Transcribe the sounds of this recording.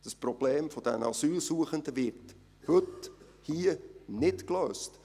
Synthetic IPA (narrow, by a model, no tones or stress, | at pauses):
d̥əsprɔb̥leːmfɔd̥̪ɛ̰nɑsyːlsuəχənd̪əʋɪrt | hɵt | hiənɪtkløːst